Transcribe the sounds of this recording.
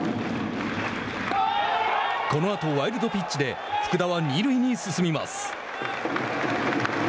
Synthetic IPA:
ko̞no̞at̪o̞βaiɾɯ̟d̪o̞pʲit͡ɕt͡ɕid̪e̞ | ɸɯ̥kɯ̟d̪aβaɲʲiɾɯ̟iɲ̟isɨsɨmʲima̰sɨ̥

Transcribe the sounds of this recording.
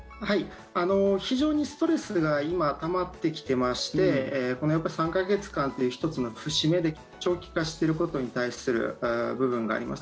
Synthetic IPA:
hai | ano̞çiʑo̞ːɲ̟isɨ̥t̪o̞ɾe̞sɨɡaimat̪amat̪ːe̞kʲi̥t̪e̞maɕi̥t̪e̞ko̞nojapːaisãŋkaɡe̞t͡sɨ̥kãnt̪o̞jɯ̟çi̥t̪o̞t͡sɨno̞ɸɯ̟ɕime̞d̪e̞kʲ | t͡ɕo̞ːkʲi̥kaɕi̥t̪e̞ɾɯ̟ko̞t̪o̞ɲ̟it̪aisɨɾɯ̟̰bɯ̟bɯ̟̃ŋɡa̰ːɾʲḭma̰s

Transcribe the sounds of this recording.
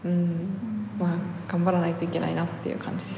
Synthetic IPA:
ɯ̟̃ | maːɡ̥ãmbaɾanait̪o̞ike̞na̰inat̪ːe̞jɯ̟̰ːkʰã̰ɲ̟d͡ʑid̪es

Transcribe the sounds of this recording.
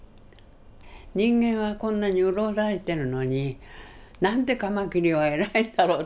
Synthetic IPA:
ɲĩŋɡẽ̞ɰ̃βakõ̞nːaɲiɯɾo̞ːd̪aɾit̪e̞ɾɯ̟no̞ɲi | nãnt̪e̞kamakʲiɾʲiβae̞ɾaĩnd̪aɾo̞ː

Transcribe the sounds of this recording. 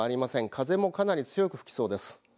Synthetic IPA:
aɾʲimasẽ̞ŋkʰaze̞mo̞kanaɾʲit͡sɨjo̞kɯ̟ɸɯ̟̥kʲi̥so̞ːd̪e̞sɨ̥

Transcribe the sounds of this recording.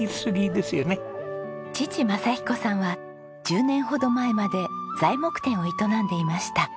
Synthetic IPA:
isɨɾʲid̪e̞sɨjonet͡ɕit͡ɕimasaçi̥ko̞sãɰ̃βa | d͡ʑɨːnẽ̞ɰ̃ɦo̞d̪o̞mae̞mad̪e̞z̥aimo̞kɯ̟̥t̪ẽ̞ɰ̃o̞it̪o̞nãnd̪e̞imaɕi̥t̪a

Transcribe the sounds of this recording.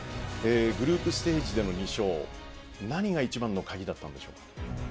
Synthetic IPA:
eːɡɯ̟ɾɯ̟ːpɯ̟sɨ̥t̪e̞ːʑid̪e̞no̞ɲ̟iɕo̞ː | naɲ̟iɡait͡ɕibãnːo̞kaɡʲid̪at̪ːãnd̪e̞ɕo̞ːkḁ

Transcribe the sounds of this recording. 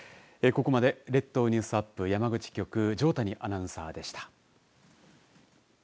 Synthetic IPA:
eko̞ko̞mad̪e̞ɾe̞t̪ːo̞ːɲ̟ĩsɨapːɯ̟jamaɡɯ̟t͡ɕi̥kʲo̞kɯ̟d͡ʑo̞ːt̪aɲ̟iʔanãɰ̃sa̰ːd̪e̞ɕi̥t̪ḁ

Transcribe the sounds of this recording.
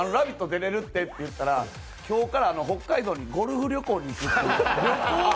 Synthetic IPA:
anoɾabʲit̪ːod̪e̞ɾe̞ɾɯ̟t̪ːe̞t̪ːe̞jɯ̟t̪ːaɾa | kʲo̞ːkaɾaːno̞ɦo̞kːaid̪o̞ːɲ̟iɡo̞ɾɯ̟ɸɯ̟ɾʲo̞ko̞ːɲ̟iːkɯ̟t̪ːe

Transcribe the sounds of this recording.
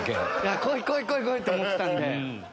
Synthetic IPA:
kḛjakoːikoːikoikoit̪ːeomoet̪ãnd̪e

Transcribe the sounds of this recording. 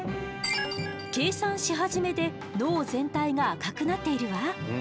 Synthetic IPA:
ke̞ːsãɰ̃ɕiɦaʑime̞d̪e̞ | no̞ːzẽ̞nt̪aiŋaːkakɯ̟nat̪ːe̞iɾɯ̟βa

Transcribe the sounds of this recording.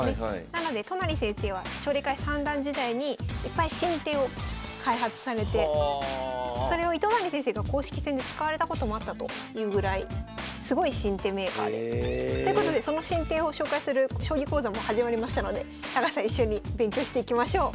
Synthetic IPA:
enano̞d̪e̞t̪onaɾʲisẽɰ̃se̞ːβ̞at͡ɕo̞ːɾʲekaisãnd̪ãɲ̟d͡ʑid̪aiɲ̟iːpːaiɕĩnt̪eːo̞kʰaiɦat͡sɨ̥saɾe̞t̪e̞ | so̞ɾe̞o̞it̪o̞naɾʲisẽs̬e̞ːɡako̞ːɕi̥kʲi̥sẽ̞nd̪e̞t͡sɨ̥kaβaɾe̞t̪ako̞t̪o̞mo̞at̪ːat̪o̞̰jɯ̟ːɡɯ̟ɾaisɨɡo̞iɕĩnt̪e̞ːme̞ːka̰ːd̪et̪oɯkot̪o̞d̪e̞so̞no̞ɕĩnt̪e̞ːo̞ɕo̞ːkaisɨɾɯ̟ɕo̞ːɡʲikoːzamo̞haʑimaɾʲimaɕi̥t̪ano̞d̪e̞ | t̪aɡasãiɕːo̞ɲ̟ibẽ̞ŋkʲo̞ːɕi̥t̪e̞ikʲimaɕo̞ː

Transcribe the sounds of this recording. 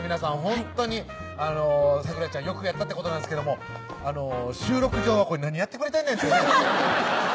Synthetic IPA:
mʲinasãɰ̃ɦõ̞nt̪o̞ɲ̟i | ano̞sakɯ̟ɾat͡ɕãɰ̃jo̞kɯ̟jat̪ːat̪ːekot̪o̞nãndesked̪omo̞ | ano̞ɕɨːɾo̞kɯ̟ʑo̞ːβakoɲʲinãɲ̟ːijat̪ːekɯ̟ɾet̪ainenesk

